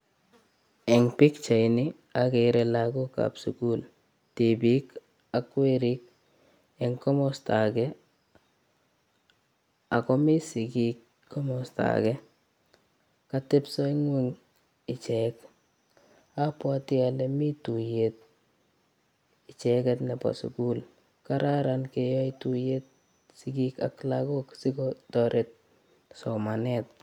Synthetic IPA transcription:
ɛ˨ŋpi˦kt͡ʃa˨jnɪ˦ | a˨ke˨ɾe˨laku˦ka̰˨psṵ˨ku˦l | ti˨bi˦k | a˦kwe˦ɾi˦k̚ | ɛ˨ŋkɔ˦mɔ˦sta˨kɛ˦ | a˨kɔ˦mi˦sɪ˨kikʰː | ɔ˦mɔ˨sta̰˨kɛ˦ | kate˦psɔ˦i˦ŋwe˦ŋ | ɪ˨t͡ʃɛk | apwa˦ti˦alɛmi˦tu˨jet̚ | ɪ˨t͡ʃɛ˨kɛtnɛpa̰sṵku˦l | ka˦ɾʔa˦ɾankejɔ˦itujet̚ | sikika̰klakoksi˦kɔtɔɾʔet̚ | sɔ˨manɛt̚

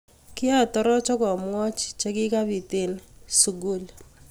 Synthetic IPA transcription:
kɪ˦a˦˨tɔ˦ɾɔ˦t͡ʃɔ˦kɔ˨mwɔ˦t͡ʃt͡ʃe˦kɪ˦ka˦bi˨tɪ˨lsu˨ɡu˦l

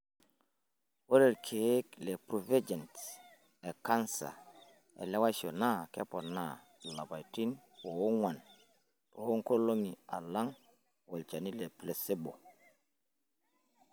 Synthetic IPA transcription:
wo˦ɾe˨lkʰe˨˦kle˨pɾu˨ve˦d͡ʒe˨nt | e˨ka˦nsa̰˨ | ḛ˨le˦wa˦jso˨na˦˨ke˦po˨na˨ | la˨ba˨jti˦n | po˨wo˦ŋwa˨n | po˨wo˦ŋko˦lo˦ŋi˨a̰˨la˦ŋ | wo˨lt͡ʃa˨ni˦le˨ple˨se˦bo˨

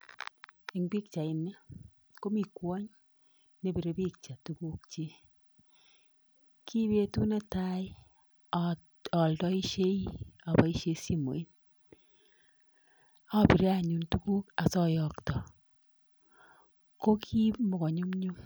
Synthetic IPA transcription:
e˨ŋbi˦k̚t͡ʃa˨ɪ˨nɛ˦ | ko˦mi˨kwɔ˦ɲ | ne˨bi˨ɾe˨˦bi˦k̚t͡ʃa˨tu˨ku˦k̚t͡ʃe˦ | kʰi˦be˦tu˦ne˦ta˦j | ɔ˨ltɔ˦i˦ʃe˦ia˨bɔ˨˦i˦ʃe˦si˦mo̰˨i˦n | a˦pi˨ɾe˦a˦ɲu˨ntu˦ku˦ka˨sɔ˦jɔ˨ktɔ˨ | ko˦kʰi˦mo˨kɔ˨ɲu˦mɲu˦m

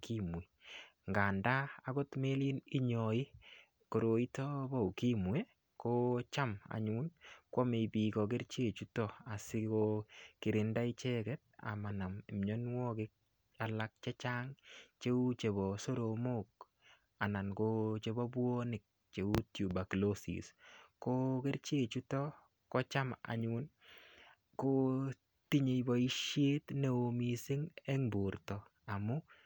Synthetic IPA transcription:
kʰi˦mwi˨ŋɡa˨ndaː˦ko˦tme˦li˦ni˦ɲɔ˨ɪ˦ | ko˨ɾo˨i˦tɔ˦bɔ˦u˨ki˦mwe˦ | ko˦t͡ʃa˦ma̰ɲu˦nkwɔ˦me˨bi˨kɔ˨k̬ɪ˦ɾt͡ʃe˦˨t͡ʃu˦tɔ˦a˨sɪ˦kokɪ˨ɾɪ˨nda˦i˦t͡ʃɛ˦kɛ˦t̚a̰˨ma˨na˨mi˨mɲo˦nwɔ˦kɪ˦k̚ | a˨la˦k̚t͡ʃɛ˦t͡ʃa˦ŋt͡ʃe˦u˦t͡ʃe˨βɔso˦ɾomo˦k | a˨na˨nkot͡ʃe˦bɔ˦bwo˦nɪ˨k̚ | t͡ʃe˨u˦tju˨ba˨klosḭskoke˦ɾt͡ʃe˦t͡ʃu˦tɔ˦ | kɔ˦t͡ʃa˦maa̰˨ɲʊn | ko | ti˦ɲe˨jbɔ˨i˦ʃje˦tne˦o˨misi˦ŋɛ˦ŋbu˨ɾtɔ | a˨mʊ˦

